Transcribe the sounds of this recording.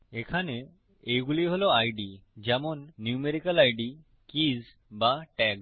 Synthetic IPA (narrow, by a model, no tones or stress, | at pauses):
ekʰane | ejɡuliɦolɔajɖid͡ʑɛmɔnːjumeɾikəlajɖi | kiz | baʈɛɡ